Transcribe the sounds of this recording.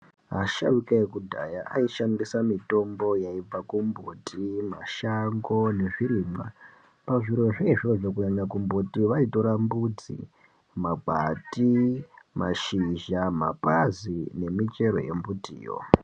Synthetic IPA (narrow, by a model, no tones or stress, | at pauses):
ɦaʃawukaekudʱa̰jaʔaiʃambisamito̞mbo̞jaib͡vakumbutʰima̰ʃaŋɡo̞ne̞ʐiɾiːma | paʐiɾo̞ʐeiʐoʐokuɲaɲakumbutiʋaito̞ɾambud͡zḭ | maɡ͡bʱatimaʃiʒama̰pazine̞mit͡ʃe̞ɾo̞̰je̞̰mbutḭːjo̰